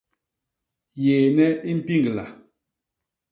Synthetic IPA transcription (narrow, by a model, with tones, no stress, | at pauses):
jeː˨nɛ˦i˦m̩˦pi˦ŋɡla̰˨